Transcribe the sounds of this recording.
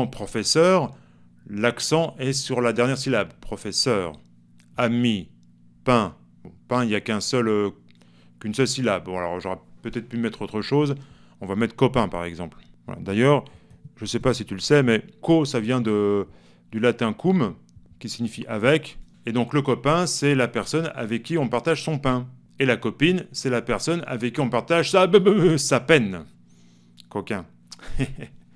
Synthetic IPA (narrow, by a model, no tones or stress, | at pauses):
pχɔfɛsœːʁ | laksɑ̃ʔɛsyʁlad̪ɛʁnjɛʁsilabpχɔfɛsœːʁ | ami | pɛ̃ | bɔ̃pɛ̃iljakʲɛ̃sœlø | kynsœlsilabbɔ̃alɔ̰ʁʒɔʁɛpøt̪ɛt̪χpymɛt̪χot̪χəʃoz | ɔ̃vamɛt̪χə̥kɔpɛ̃paʁɛɡzɑ̃plvwa̰la̰d̪ajœːʁʒəsɛpasit̪yləsɛmɛkosavjɛ̃d̪ə | d̪ylat̪ɛ̃kʰum | kʲisiɲifiʔavɛk | ed̪ɔ̃kləkɔpɛ̃sɛlapɛʁsɔna̰vɛkʲːiɔ̃paʁt̪aʒsɔ̃pɛ̃ | elakɔpinsɛlapɛʁsɔna̰vɛkːiɔ̃paʁt̪aʒsabbsapɛn | kɔkɛ̃